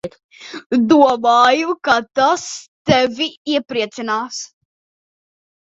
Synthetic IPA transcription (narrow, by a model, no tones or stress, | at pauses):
d̪uɔmaːjukat̪ast̪ɛvʲiiɛpɾiɛt̪sinaːs